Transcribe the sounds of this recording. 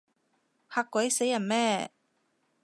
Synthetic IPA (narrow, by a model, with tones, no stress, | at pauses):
haː˧kʷːɐ˨˥jse˨˥jːɐ˨˩nmɛː˥